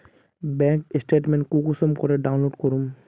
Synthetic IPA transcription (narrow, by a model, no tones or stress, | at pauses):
bɛŋkesʈeʈmenkukusɔmkɔɹɛɖaw̃nloɖkɔɹum